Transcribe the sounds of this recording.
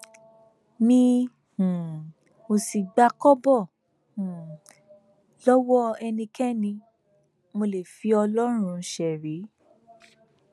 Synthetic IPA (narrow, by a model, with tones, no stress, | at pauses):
mĩ˧ | hũ˨ | mo˨si˨ɡ͡ba˧kɔ˦bɔ˦˨ | hũ˨ | lɔ˦wɔ˦ɛ˧nĩ˧kʰɛ˦nĩ˧ | mo˧le˨fi˨˦ɔ˧lɔ˦ɾ̃ũ˧ʃɛ˨ɾe˨˦